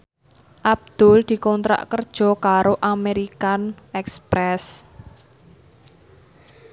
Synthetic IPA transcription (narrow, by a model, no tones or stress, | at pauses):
ʔab̚d̪̥ʊ̤ld̪̥i̤kɔnt̪ɾa̰ʔkərd̥ʒ̥ɔ̤kaɾoʔameɾikanɛkspɾɛs